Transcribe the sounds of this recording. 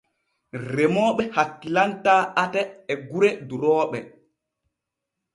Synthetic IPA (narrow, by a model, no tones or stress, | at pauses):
rɛmɔːɓɛhakːilantaːatɛːɡuɾɛduɾɔːɓɛ